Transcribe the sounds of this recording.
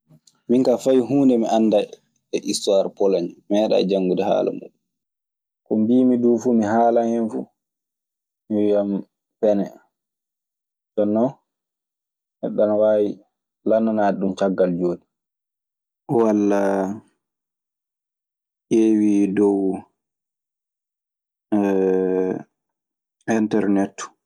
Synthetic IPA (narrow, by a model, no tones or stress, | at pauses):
miŋkafajɦuːndɛmiʔanːda | ɛʔistuwaɾpɔlaɲmɛɗa̰d͡ʒaŋːɡudɛha̰ːla̰mṵɗu | kɔmbiːmiduːfumiɦaːlahɛnfu | miwijam | pɛnɛ | tɔnːɔ | hɛ̰ɗanwaːji | lanːanaːɗumt͡ʃaɡːald͡ʒoːdi | walːa | ʔewidɔw | ɛntɛɾnɛtːu̥